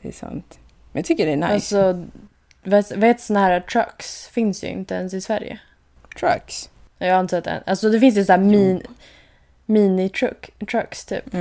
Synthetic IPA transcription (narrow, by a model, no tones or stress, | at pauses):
d̪ɛsa̰nt̪ | mɛnjɑt̪ʰʏkːədɛnaalssɔ | vɛt̪veːt̪sɔnahæːɾat̪ʰɾa̰ksfɪnsj̰ɪ̰nt̪əɛnsɪsvæɾjə̰ | t̪ʰɾa̰ks | jɑːaɪnt̪at̪ːɛ̰nalsɔd̪ɛfɪns̬jɵsaæːɾmiːn | miːnɪt̪ʰɾʊkt̪ʰɾakst̪ʰy̰ːp